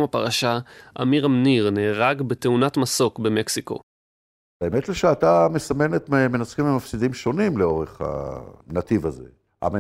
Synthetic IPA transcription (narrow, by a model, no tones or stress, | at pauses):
mapaʁaʃaʔa̰miʁamniʁneːʁaɡbet̪eunatmaso̞kbeme̞ksiko̞̰ | aemet̪leʃeat̪amesame̞net̪mme̞nat͡skimemafsid̪imʃo̞nimleo̞ʁeχha̰nat̪ivaze̞̰ | a̰me